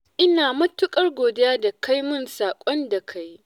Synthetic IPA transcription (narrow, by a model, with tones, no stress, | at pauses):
ʔɪ˦naː˨mɐ˦tʊ˦kʼɐ˦rɡʷoː˨dɪ˦jaː˦da˨ka˦jmʊ˦nsaː˨kʷʼɔ˦nda˨kʰa˦j